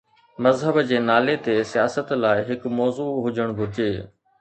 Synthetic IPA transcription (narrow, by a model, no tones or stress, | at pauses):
mɐzɦəbd͡ʑeːnaːlet̪esijaːsət̪laːɪɦɪkmɔːzuːɦʊd͡ʑəɽ̃bʱʊɾɪd͡ʑeː